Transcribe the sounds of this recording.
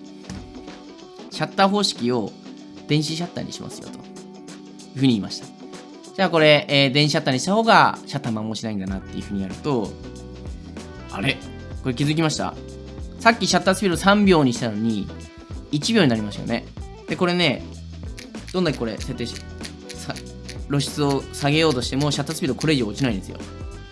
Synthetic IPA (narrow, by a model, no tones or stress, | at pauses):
ɕat̪ːaɦo̞ːɕi̥kʲio̞ | d̪̥ẽ̞ɰ̃ɕiɕ̬at̪ːa̰ɲ̟ḭɕimʔa̰sɨjo̰t̪o̥ | jɯ̟ɸɯ̟ːɲ̟iːmaɕi̥t̪ḁ | d͡ʑaːko̞ɾe̞ʔːd̪ẽ̞ɕ̬iɕat̪ːaɲ̟iɕi̥t̪aho̞ːɡa̰ɕat̪ːamamo̞ːɕinaĩnd̪anat̪ːe̞jiɯ̟ɸɯ̟ːɲ̟inaɾɯ̟t̪o̞ | a̰ɾe̞ | ko̞ɾe̞kʲizɨk̬ʲimaɕi̥t̪a̰ | sakʲːiɕat̪ːat͡sɨ̥pʲiɾosãmbʲo̞ːɲ̟iɕi̥t̪ano̞ɲ̟i | it͡ɕibʲjo̞ːɲ̟inaɾimasɨjo̰ne̞̰ | d̪̥eko̞ɾe̞ne̞ | d̪̥ond̪akʲekoɾe̞sẽ̞t̪ːe | sa | ɾo̞ɕi̥t͡sɨo̞saɡe̞jo̞ːt̪o̞ɕi̥t̪e̞mo̞ɕat̪ːasɨ̥pʲiɾokʰo̞ɾe̞ːʑioot͡ɕinaĩnd̪e̞sɨjo̰